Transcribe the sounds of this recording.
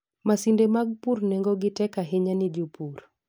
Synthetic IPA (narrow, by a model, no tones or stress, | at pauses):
masindemaɡ̚puɾnɛŋɡɔɡɪtɛkaɦeɲanid͡ʒupur